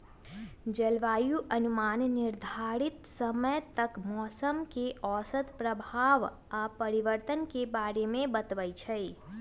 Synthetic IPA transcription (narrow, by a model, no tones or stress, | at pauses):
d͡ʒəlʋaːjuʔənumaːnnɪɾd̪ʱaɾit̪səməjt̪əkmɔːsəmkeɔːsəd̪pɾəbʱaːʋ | apəɾiʋəɾt̪ənkebaːɾemẽbət̪ʋəjt͡ʃʰəi